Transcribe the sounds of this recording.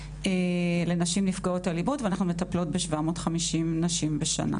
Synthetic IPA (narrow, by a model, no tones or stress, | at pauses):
ele̞naʃimnifɡaotalibotveanaχnumetaplo̞t̚beʃvamo̞ːtχamiʃimnaʃimbeʃa̰na̰